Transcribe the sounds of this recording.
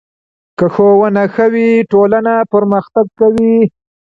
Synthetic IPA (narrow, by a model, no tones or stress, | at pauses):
kəxowənaxəwiʈolanapəɾməxt̪aɡ̚kawi